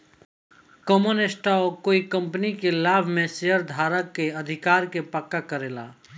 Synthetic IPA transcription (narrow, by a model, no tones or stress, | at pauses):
kɔmonesʈaɔkoːikə̃mpnikelaːbʱmẽsejəɾd̪ʱaːɾəkːeəd̪ʱɪkaːɾkepəkːakəɾela̰